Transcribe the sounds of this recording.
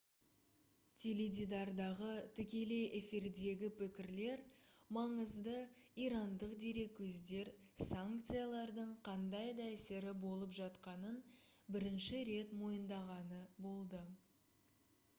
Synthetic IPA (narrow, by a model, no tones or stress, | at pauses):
t̪ʲʰelʲid̪ʲid̪ɑɾd̪ɑʁət̪ʰʏkʲe̞le̞ʔefiɾd̪e̞ɡʲɪpʰɪkʲɪɾle̞ɾmɑɴəzd̪əiɾɑnd̪əqd̪e̞ɾe̞kʲʰːɵzd̪e̞ɾ | saŋkt̪sɨjalˠɑɾd̪əɴqʰɑnd̪ɑjd̪ɑæseɾɪbo̞lˠəpʒɑt̪qɑnənbɪɾɪnʃɪɾe̞t̪mo̞jənd̪ɑʁɑnəbo̞lˠd̪ə